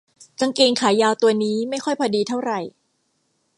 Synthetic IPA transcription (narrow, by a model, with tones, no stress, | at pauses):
ka˧ŋkeː˧ŋkʰaː˩˦jaː˧wt̪u˧ɐniː˦˥ma˥˩jkʰɔ˥˩jpʰɔː˧diː˧t̪ʰa˥˩wɾa˨˩j